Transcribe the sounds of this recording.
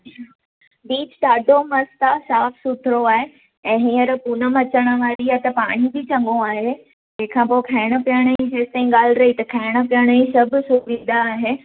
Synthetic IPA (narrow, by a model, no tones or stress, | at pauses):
biːt͡ɕɗaːɖʱomɐst̪asaːfsʊt̪ʰɪɾoaːɦe | ɛ̃ːɦĩːəɾpunə̆mɐt͡ɕəɽ̃ə̆ʋaːɾiat̪ɐpaːɽ̃ibit͡ɕɐ̃ŋɠõaːɦe | d͡ʑɛ̃ːkʰãpoːkʰaːɪɽ̃ə̆pijəɽ̃əĩd͡ʑeːst̪ɐĩɠaːlɪɾɐɦit̪ɐkʰaːɽ̃ə̆pijəɽ̃əĩsɐbʱʊ̆sʊmĩːn̆d̪aːɦeː